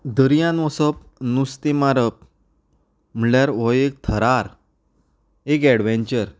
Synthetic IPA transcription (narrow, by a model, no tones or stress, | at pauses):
d̪əɾjãnɔsəp̚ | nust̪imaɾəp̚ | m̤əɳɭjaɾʋɔjek̚t̪ʰəɾaɾ | ekɛɽʋẽɲt͡ɕəɾ